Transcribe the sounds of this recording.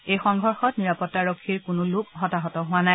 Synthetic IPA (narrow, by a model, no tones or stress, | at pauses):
ejxɔŋɡʱɔɹxɔtniɹapɔtːaɹɔkʰːiɹkʊnʊlʊkɦɔtaɦɔtɔɦʊwanaj